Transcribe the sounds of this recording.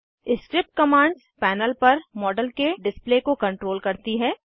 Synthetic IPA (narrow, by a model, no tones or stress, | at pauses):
ɪsʈɾɪp̚ʈ̚kɐmãːɳɖzpɛːnəlpɐɾmɔːɖəlkeɖɪspleːkokɐ̃ɳʈɾoːlkɐɾt̪iɦɛː